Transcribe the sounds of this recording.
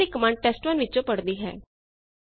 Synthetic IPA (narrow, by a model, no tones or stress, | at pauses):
iːkəmaːɳɖ̚ʈɛːsʈmənʋɪt͡ʃõːpəɽd̪iːɦɛ̰ː